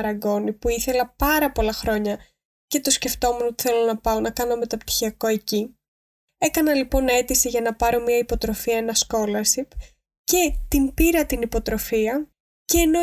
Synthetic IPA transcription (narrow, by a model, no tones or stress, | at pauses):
ɾɐɡo̞nipuiθe̞lɐpɐɾɐpo̞lɐxɾo̞ɲɐ | ce̞t̪o̞sce̞ft̪o̞muno̞t̪i̥θe̞lo̞nɐpɐonɐkɐno̞me̞t̪ɐpt̪i̥çiɐko̞eci | e̞kɐnɐlipo̞ne̞t̪isiʝɐnɐpɐɾo̞miɐipo̞t̪ɾo̞fiɐenɐsko̞lɐsip | ce̞t̪impiɾɐt̪inipo̞t̪ɾo̞fiɐ | ceːno